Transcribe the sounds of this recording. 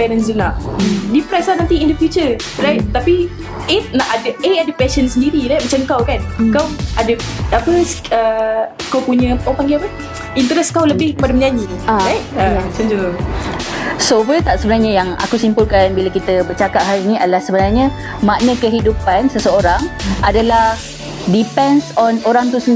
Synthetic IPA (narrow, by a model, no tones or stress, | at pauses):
bɛnənsənaʔdipɾɛslahnãnt̪iindəfjut͡ʃə | rajt̪̚t̪api | it̪̚naʔadəeadəpɛʃənsəndiɾiɾajt̪̚mat͡ʃamkawkankawadəapəsəkawpuɲə̃pawpaŋɡɪapə | int̪əɾɛskawləbɪhkəpadaməɲãɲiadajʔ̚ət͡ʃand͡ʒulu | sopulət̪aʔsəbənarɲajaŋa̰kusimpulkanbilakit̪əbərt͡ʃakaʔ̚ɦaɾinĩadəlahsəbənarɲə̃ | maʔnəkəɦidupansəsəoɾaŋadalah | dipɛnsɔnoɾaŋt̪usə